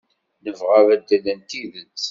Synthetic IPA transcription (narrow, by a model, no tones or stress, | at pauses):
nəvʁavæd̪ːæðænt̪iðət͡sː